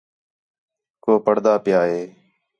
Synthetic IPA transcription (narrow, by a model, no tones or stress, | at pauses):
koːpəɽd̪aːpɪjaːɦeː